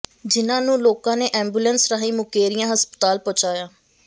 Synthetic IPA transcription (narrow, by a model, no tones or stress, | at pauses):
d͡ʒɪnãːnũːloːkãːneːʔɛ̃ːmbuːlənsɾəːɦiːmʊkeːɾijãːɦəspə̥t̪aːlpɔ̃ːt͡ʃaːjaː